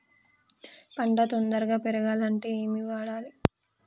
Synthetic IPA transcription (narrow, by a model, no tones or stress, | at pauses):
kɐɳɖat̪ond̪ɐɾɡaːpeɾɐɡaːlɐɳʈeːeːmiʋaːɽaːli